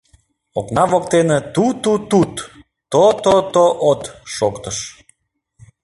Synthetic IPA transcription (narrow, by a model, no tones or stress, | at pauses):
oknɑvokt̪enet̪ut̪ut̪ut̪ː | ot̪ot̪oʔot̪ʃokt̪əʃ